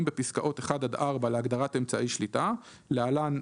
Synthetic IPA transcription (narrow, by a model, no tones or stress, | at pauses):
mbe̞piskaʔo̞teχad̪ad̪ʔaʁbaleaɡd̪aʁate̞mt͡saʔiʃlita | lealan